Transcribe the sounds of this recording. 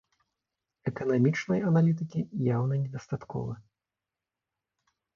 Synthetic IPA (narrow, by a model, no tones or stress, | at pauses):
ɛkɐnamʲit͡ʂnɐjɐnalʲit̪̬ɨkʲijawnɐnʲɛd̪ɐst̪at̪kɔ̰vɐ